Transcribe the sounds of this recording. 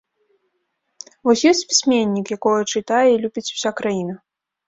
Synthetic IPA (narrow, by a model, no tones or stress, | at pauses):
vɔsʲjɔsʲt͡sʲpʲi̥sʲmʲenʲːikjakɔjɐt͡ʂɨt̪ajɛilʲubʲit͡sʲu̥sʲakɾajinɐ